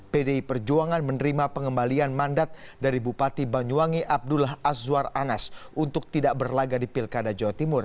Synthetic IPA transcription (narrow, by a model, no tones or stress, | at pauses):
pedeipərd͡ʒuaŋanmənəɾimapəŋəmbalianmandat̪̚daɾibupat̪ibaɲuaŋiʔab̚dulaɦaswaranasʔunt̪ʊk̚t̪idaʔbərlaɡadipɪlkadad͡ʒawat̪imʊr